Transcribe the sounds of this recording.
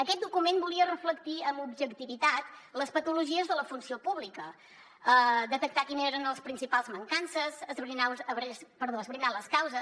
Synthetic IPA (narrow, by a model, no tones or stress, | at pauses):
əkɛt̪̚d̪ukumenbuliərəfləkt̪iəmubʒəkt̪iβit̪at̪ləspət̪uluʒiəzðələfunsiopuβlikə | əd̪ət̪ək̚t̪akineɾənəlˠspɾinsipalˠzməŋkansəzəzβɾinaəβɾpəɾðoəzβɾinaləskawzə